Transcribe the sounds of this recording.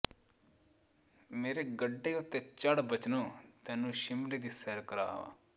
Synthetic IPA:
meːɾeɡəɖːeːʊt̪ːet͡ʃəɽbət͡ʃnõːt̪ɛ̃ːnũːʃɪmliːd̪iːsɛːɾkəɾa̰ːʋa̰ː

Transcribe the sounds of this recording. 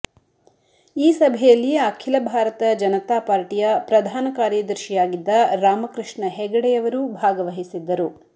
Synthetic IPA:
iːsɐbʱɛjɐlːiakʰilɐbʱaːɾɐt̪ɐd͡ʒɐnɐt̪aːpaːɾʈijɐpɾɐd̪ʱaːnɐkaːɾjɐd̪ɐɾʃijaːɡid̪ːɐɾaːmɐkɾɨʂɳɐɦɛɡɐɽɛjɐʋɐɾubʱaːɡɐʋɐɦisid̪ːɐɾu

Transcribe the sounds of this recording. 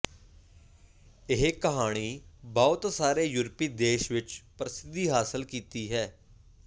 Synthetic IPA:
ɪɦekəɦaːɽ̃iːbɔːʊt̪saːɾeːjʊɾpiːd̪eːʃʋɪt͡ʃpəɾɪsɪd̪iːɦaːsəlkiːt̪iːɦɛː

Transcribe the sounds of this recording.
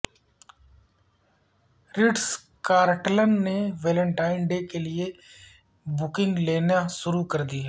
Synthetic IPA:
ɾɪɖs | kaːɾʈlənːeʋeːlə̃ɳʈaːɪnɖekelɪe | bʊkɪ̃ŋɡleːnaʃʊɾukɐɾd̪iɛː

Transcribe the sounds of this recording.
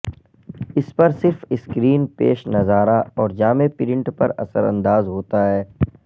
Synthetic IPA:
ɪspɐɾsɪɾfɪskɾiːnpḛːʃnɐzaːɾaɔːɾd͡ʒaːmepɪɾɪ̃ɳʈpɐɾɐ̰sə̰ɾɐ̰̃nd̪aːzɦoːt̪aɦɛː

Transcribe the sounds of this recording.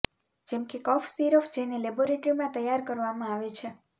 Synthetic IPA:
d͡ʒɛmkekɔfsiɾɔfd͡ʒeneleboɾeʈɾimãt̪əjːaɾkəɾʋamãaʋet͡ʃʰe

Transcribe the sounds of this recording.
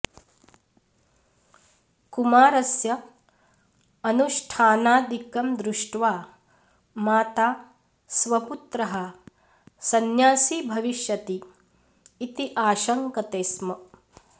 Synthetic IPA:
kumaːɾɐsjɐ | ɐnuʃʈʰaːnaːd̪ikɐmd̪ɾuʂʈʋaː | maːt̪aː | sʋɐput̪ɾɐɦɐ | sɐnjaːsiːbʱɐʋiʃjɐt̪iː | t̪iʔaːʃɐŋkɐt̪eːsmɐ

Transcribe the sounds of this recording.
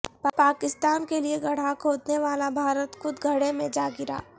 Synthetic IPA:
ppaːkɪst̪aːnkelieɡʱɐɽ̤akʰoːd̪neʋaːlabʱaːɾət̪xʊd̪ɡʱɐɽẽmẽd͡ʒaːɡɪɾa̰ː

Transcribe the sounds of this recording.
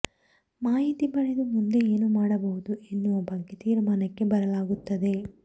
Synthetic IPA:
maːɦit̪ibɐɭed̪umund̪e̞eːnumaːɽɐbɐɦud̪uʔe̞nːuʋɐbɐɡːe̞t̪iːɾmaːnɐkːe̞bɐɾɐlaːɡut̪ːɐd̪e̞

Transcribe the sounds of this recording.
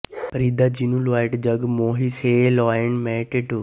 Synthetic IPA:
pɾiːd̪ad͡ʒinuloaːɪʈd͡ʒəɡmoːɦiseːlɔːəɳmɛːʈeʈu

